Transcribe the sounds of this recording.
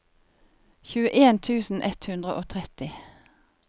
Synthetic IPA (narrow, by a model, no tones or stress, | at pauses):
çʉːəʔeːnt̪ʰʉːsn̩ʔɛt̪hʉnd̪ʁəʔoːt̪ʰʁɛt̪ɪ